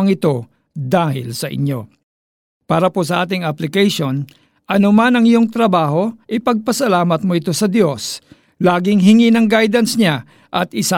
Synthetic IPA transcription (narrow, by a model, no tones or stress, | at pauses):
ɐŋɪt̪o̞ | d̪aːhɪ̰lsɐʔɪ̰ɲo̞ | paːɾɐposɐʔaːt̪̬ɪŋaplɪkɛjʃo̞n | ʔɐnomanɐŋɪjo̞ŋt̪ɾɐbaːɦo̞ʔɪpɐɡ̚pɐsɐlaːmɐt̪̚mo̞ɪt̪o̞sɐd̪jo̞s | laːɡɪŋɦɪŋinɐŋɡajd̪ɐnsɲa | ʔɐt̪ɪsa